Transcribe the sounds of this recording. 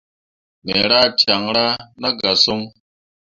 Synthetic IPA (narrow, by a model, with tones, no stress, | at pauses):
me˨ɾa˦tja˨ŋɾa˦na˦ɡa˨so˦ŋ